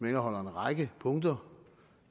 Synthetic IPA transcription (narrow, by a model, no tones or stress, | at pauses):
menɐɦɒ̽l̰ɐe̝nʁɑ̈ɪɡ̥əpʰɔ̽ŋ̰d̥ɐ